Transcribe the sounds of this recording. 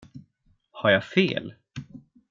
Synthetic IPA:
haɾjafḛːl

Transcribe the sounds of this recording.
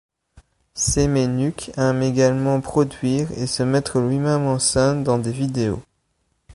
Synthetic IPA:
semenykɛmeɡalmɑ̃pχɔd̪ɥiːʁesəmɛt̪χəlɥimɛmɑ̃sɛ̃d̪ɑ̃d̪evid̪eo̰

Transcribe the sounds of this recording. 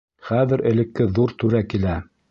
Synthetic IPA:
χæðɘɾʔɘ̆lɘ̆kːɘðuɾt̪ʉɾækilæ

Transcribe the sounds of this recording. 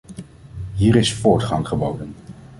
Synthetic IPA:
ɦiːɾɪsfʊːɹtχɑŋχəbowdən

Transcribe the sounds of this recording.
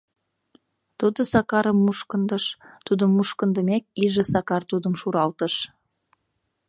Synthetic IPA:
t̪ud̪ə̆sɑkɑɾəmːuʃkənd̪ə̆ʃt̪ud̪əmːuʃkənd̪əmek̚iʒə̆sɑkɑrt̪ud̪əmʃuɾɑlt̪əʃ

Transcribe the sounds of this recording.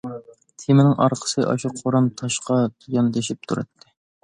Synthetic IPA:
t̪ʰemɪnɪŋʔɑ̰ɾqʰə̥sɨʔɑ̰ʃuqʰoɾɑnt̪ʰɑʃqɑt̪ʰjɑnd̪eʃip̚t̪ʰuɾɨ̰t̪ʰːɪ

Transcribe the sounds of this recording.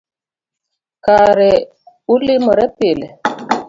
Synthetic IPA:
kaɾɛ | ulimʊɾɛpelɛ

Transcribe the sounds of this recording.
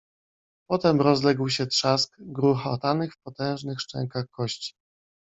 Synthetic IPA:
pɔt̪ɛmɾɔzlɛɡwɕɛt̪ʂaskɡɾuxaɔt̪anɘxfpɔt̪ɛ̃w̃ʐnɘxʂt͡ʂɛ̰ŋkaxkɔɕt͡ɕi̥

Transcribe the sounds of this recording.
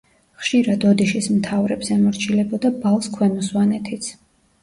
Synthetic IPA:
χʃiɾad̪ɔd̪iʃismt̪ʰavɾɛbsɛmɔɾt͡ʃʰilɛbɔd̪abalˠskʰwɛnɔswanɛt̪ʰit̪sʰ

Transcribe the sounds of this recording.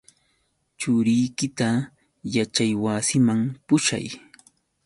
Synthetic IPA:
t͡ʃʊɾɪjkɪt̪a | jat͡ʃajwasɪmaŋpʊʃa̰j

